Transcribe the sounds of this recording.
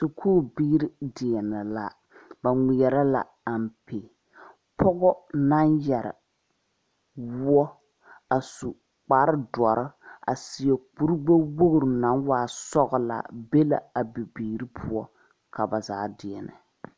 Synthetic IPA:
sʊ˨kʰoː˦biː˦ɾi˦dɪ˨ɛ˨nɛ˨la˨ | ba˨ŋɪ˨jɛ˨ɾa˦la̰˨ | a˨m˨pe˨ | pʰɔ˦ɣɔ˦na˦njɛ˨ɾɪ̰˨ | wʊ˦ɔ˦ | a˨su˨ | k͡paː˨˦ɾɨ˦dɔ˨ɾɨ˦a̰˨sɪ˨ɛ˨k͡pu˦ɾɡ͡bo˦wo˦ɡɾɨ˨na˨˦nwaː˨sɔ˦ɡɔ˦la̰˨be˦la̰˨a˨bi˨biː˨ɾi˦pʰʊ˦ɔ˦ | ka˨ba˨za̰ː˨dɪ˨ɛ˨nʔɨ̰˨

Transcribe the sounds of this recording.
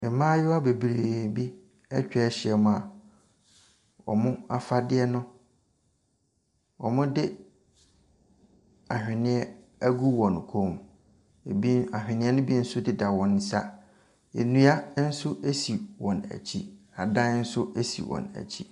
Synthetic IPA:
ɪ˨˦mãː˦jɪ˦a˦be˨bɾe˨bi˦ | ɛ˦t͡ɕᶣɛ˦ɛ˦ɕɪ˨ɛ˦mʊ̃˨a˨ | ɔ̰˨mʊ̃˦a˨fa˦dɪ˦ɛ˦nʊ̃˦ | ɔ˨mʊ̃˦dɪ˦ | a˨hᶣɪ˨nɪ̃˦ɛ˦ | æ˦ɡu˦wɔ̃˨n˨kʰo˦˨m˨ | bi˦a˨hᶣɪ̃˨nɪ̃˦ɛ˦nʊ̃˦bi˦n̩˦sʊ˦dɪ˦da˨wɔ̃˨n˦sa˦ | e˨nũ˨a˦n̩˦sʊ˦ʔe˦si˨wɔ̃˨næ̰˨t͡ɕʰi˦ | a˨dã˦n˦n̩˦sʊ˦e˦sḭ˨wɔ̰̃˨næ̰˨t͡ɕʰi˦

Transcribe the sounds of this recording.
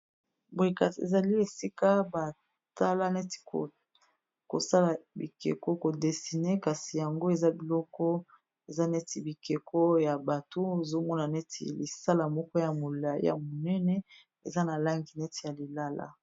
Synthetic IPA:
bi˨ka˨tḛ˨za˨li˦e˨si˦ka˦ba˨ | ta˦la˦nɛ˦ti̥˨ko˨ | ko̰˨sa˦la˨bḭ˨kḛ˨ko˦ko˨de˨si˨ne˦ka˨si˨ja˨ŋɡo˦e˨za˦bi˨lɔ˦kɔ˦ | e˨za˦nɛ˦ti˨bi˨ke˨kʰo˦ja˨ba˨to˦e˨zo˦mɔ˦na˨nɛ˦tḭ˨li˨sa˦la˨mɔ˦kɔ˦ja˨mo˨la˨jḭ˦ja̰˨mo˨nɛ˦nɛ˦ | ḛ˨za˦na˨la˦ŋɡi˨nɛ˦ti˨ja˨li˨la˦la̰˦

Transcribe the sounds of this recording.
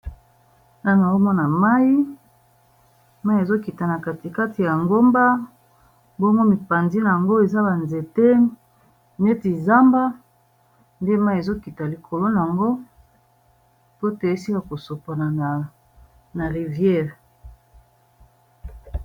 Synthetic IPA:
na˦na˨o˦mɔ˦na˨ma˦i˦ | ma˦i˦e˨zo˦ki˨ta˨na˨ka˨ti˨ka˦ti˨ja˨ŋɡo˦mba˦ | bo˦ŋɡo˦mi˨pa˨nzi˦na˨a˨ŋɡo˦e˨za˦ba˨nze˨te˦˨ | ne˦ti˨za˦mba˦ | nde˦ma˦i˦e˨zo˦ki˨ta˨li˨kʰo˨lo˦na˨a˨ŋɡo˦ | po˦te˨e˦si˦ka˨ko˨so˨pa˨na˨n˨ | na˨ʁi˨vjɛ˦˨ʁ

